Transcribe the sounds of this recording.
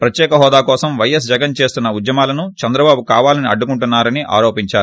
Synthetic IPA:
pɾɐt̪jɛːkɐɦɔːd̪aːkɔːsɐmʋɐjɐs̬d͡ʒɐɡɐnt͡ʃe̞ːst̪unːɐud̪jɐmaːlɐnut͡ʃɐnd̪ɾɐbaːbukaːʋaːlɐniɐ̰ɖːukuɳʈunːaːɾɐniʔa̰ːɾoːpiɲt͡ʃaːɾu

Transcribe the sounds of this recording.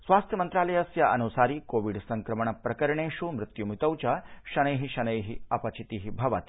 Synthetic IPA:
sʋaːst̪ʰjɐmɐnt̪ɾaːlɐjɐsjɐʔɐnusaːɾiːkoːʋiɖsɐŋkɾɐmɐɳɐpɾɐkɐɾɐɳeːʃumɾɪt̪jumit̪ɐwt͡ʃɐʃɐnɐjɦiʃɐnɐjɦiɐpɐt͡ʃit̪iɦibʱɐʋɐt̪i

